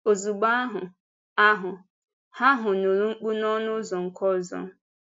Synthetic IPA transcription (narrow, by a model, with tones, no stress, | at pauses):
o˨zu˨ɡ͡ba˦a˦ɦʊ˨ | a˦ɦʊ˨ | ha˦ɦʊ˨no˨ɾu˦ŋ͡m̩˦k͡pu˦nɔ˦nʊ˦zɔ˨ŋ̩˨kʰɔ˦˨zɔ̰˨˦